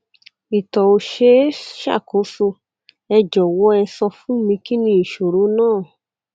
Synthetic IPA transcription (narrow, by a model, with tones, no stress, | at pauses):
i˨tɔ˨o˧ʃe˦ʃa̰˦˨ko˨˦so˧ | ɛ˧d͡ʒɔ˨wɔ˦ɛ˧sɔ˧fũ˦mĩ˧ki˦nĩ˧i˨ʃo˨ɾo˨˦nãː˦˨